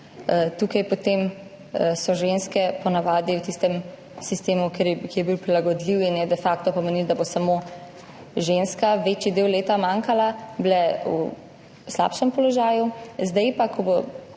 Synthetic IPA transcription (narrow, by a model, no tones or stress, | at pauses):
t̪uːkajpot̪eːm | sɔʒenskɛpɔnaʋaːd̪iwt̪ist̪ɛm | sist̪eːmukeɾkijɛbiwpɾilaɡɔd̪liwinjɛd̪ɛfakt̪ɔpɔmenild̪abosamo | ʒenskaʋeːt͡ʃjid̪eːwleːt̪amaːŋkalablɛu | sla̰ːpʃɛmpɔlɔʒaːjuzd̪ɛjpakʰɔbo